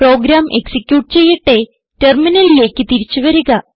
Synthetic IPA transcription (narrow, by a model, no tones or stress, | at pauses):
ro̞ːɡɾaːmʔe̞ksikʲjuːʈ̚t͡ɕe̞jːiʈːe̞ | terminɐlijeːkʲːɨt̪iɾit͡ɕːuʋɐɾuɣɐ